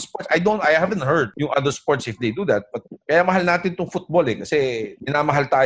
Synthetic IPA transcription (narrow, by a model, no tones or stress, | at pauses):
spot̪sɐjd̪ont̪ajhavɛnt̪̚hɛɹd̪̚jʊŋʔɐd̪əɹspoɹt̪sɪfd̪ejd̪ud̪ɐt̪̚b̥ɐt̪̚kɐjamɐɦalnaːt̪ɪnt̪ʊŋfʊt̪̚bolɛkɐsɛmɪnaːmɐɦalt̪aː